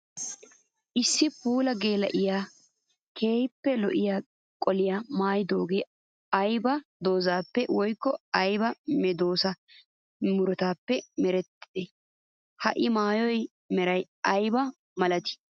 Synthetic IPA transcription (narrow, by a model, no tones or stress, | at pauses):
ʔɪsːɪpuːlɐɡeːlɐʔɪjaː | kʰe̞ːjpːɛlɔ̰ʔɪjaː | kʼɔlɪjamaːjd̪o̞ːɡeː | ɐjbɐd̪o̞ːzaːpːɛwɔjkːɔɐjbɐmɛd̪o̞ːsɐ | mʊɾɔt̪aːpːɛmɛɾɛt̪ːɪ̥d̪̥ɛ | hɐ̰ʔɪmaːjɔj | mɛɾɐj | ɐjbɐ | mɐlɐt̪ɪ̥